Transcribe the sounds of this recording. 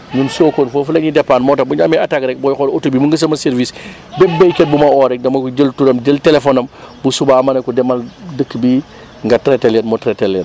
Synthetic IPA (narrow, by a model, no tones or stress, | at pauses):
ɲumsokoːnfofulɐɲidɛpːaːnmɔːtɐbuɲamɛatakɾɛk̚bɔːjxɔlotubimuŋɡɐs̬ɐmɐseɾvis | bebbːejket̚bumɐɔɾɛk̚dɐmɐkud͡ʒəltuɾɐmd͡ʒəltelefonɐmbusubamɐnɐkudɛmɐldəkːbi | ŋɡɐtɾetelɛnmotɾetelːɛn